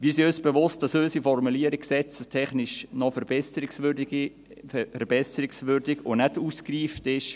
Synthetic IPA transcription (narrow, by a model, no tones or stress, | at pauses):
ʋisiøːsb̥eʋʊst̚d̥ɑsøːsifɔrmuliəɾikksɛt͡səstʰɛχnɪʃnɔfɛɾbɛsəɾɪksʋʏdɡ | fɛɾb̥ɛsəɾɪksvʏɾdɪɡo̰nɛtuːskriːftɪʃ